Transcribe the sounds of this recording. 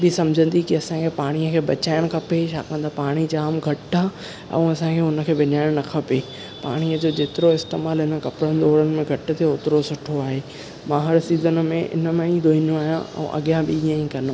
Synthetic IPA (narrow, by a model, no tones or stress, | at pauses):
bɪsɐmd͡ʑʱə̃nd̪ikiɐsãkʰepaːɽ̃iəkʰeːbɐt͡ɕaːɪɽ̃kʰɐpeʃʰa̰ːkə̃nd̪apaːɽ̃id͡ʑaːmɡʱɐʈaː | ɛ̰̃ũɐsãkʰeːʊnə̆kʰeːbɪnaːɪɽ̃nɐkʰɐpeː | pa̰ːɽ̃iəd͡ʑoːd͡ʑeːt̪ɪɾoɪst̪ḛːmaːlɦɪnə̆kɐpɾənɪd̪ɔːɾənɪ̆mẽɡʱɐʈɪt̪ʰeʊt̪ɪɾosʊʈʰoaːɦeː | mãːɦɐɾsiːzənmẽʔɪ̰nəmẽĩd̪ʱoːĩnoaːɦijã̰ʔɛ̰̃ʔɐ̰ɠijãɓiĩãĩkɐn